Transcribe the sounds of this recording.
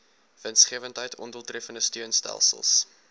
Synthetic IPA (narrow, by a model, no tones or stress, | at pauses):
v̥ənsχiəvəntɦəjtʰɔnduəlˠtrɛfəndəstyənstæ̰lˠsə̰lˠs